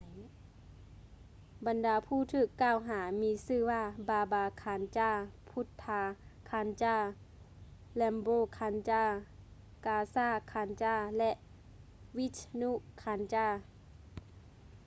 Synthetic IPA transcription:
ba˨˦ndaː˨˦pʰuː˧˥˨t̪ʰɯː˧˩kːaː˧˩˨wɦaː˨˩˦miː˧˥sɯː˧˩˨waː˧baː˨˧baː˨˧kʰaː˨˦nt͡ɕaː˧˩pʰu˧˦t̪ʰːaː˧kʰaː˧˦nt͡ɕaː˧˩ | lɛ˧mboː˧˨kʰaː˧˥nt͡ɕaː˧˩ | kaː˧saː˧˩˨kʰaː˨˧˦nt͡ɕaː˧˩lɛ˧ʔ | wi˧˦t̪ʰnu˧˨ʔkʰaː˨˧˦nt͡ɕaː˧˩

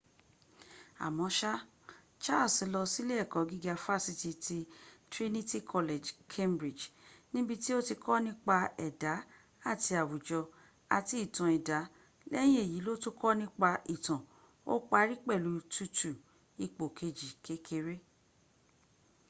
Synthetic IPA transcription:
a̰˨mɔ̃˨˦ʃa˦ | t͡ʃa˦lsi˨˧˦lɔ˧si˦le˦ɛ˦˨kɔ˨˦ɡi˦ɡa˧fa˦˨si˧ti˧tʰi˧tɾi˦ni˦ti˦kʰɔ˧le˨d͡ʒkʰe˦mbɾi˨d͡ʒnĩ˦bi˧ti˦o˦ti˧kʰɔ˦nĩ˦k͡pa˧ɛ˨da˨˦ | a˦˨ti˧a˨wu˨d͡ʒɔ˧ | a˧ti˨˦i˦˨tã˨ɛ˨da˨˦ | lɛ˦j̃ĩ˦e˦˨ji˨˦lo˦tu˦kʰɔ˦nĩ˦k͡pa˧i˨tã˨ | o̰˦k͡pa˧˦ɾi˦k͡pɛ˦˨lu˨˦tu˦tu˨ | i˧k͡po˨kʰe˧d͡ʒi˨kʰe˦kʰe˧ɾe˦

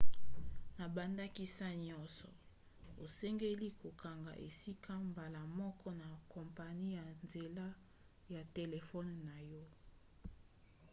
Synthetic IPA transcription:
na˨ba˨nda˦ki˦sa˦ɲɔ˦nsɔ˨ | o˨sɛ˦ŋɡe˦li˦kʰo˨ka˨ŋɡa˨ʔe˨si˦kʰa˦mba˨la˨mɔ˦kɔ˦na˨kɔ˨mpa˨ni˦ja˨nze˨la˦ | ja˨te˨le˨fɔ˦nːa˨jɔ˦

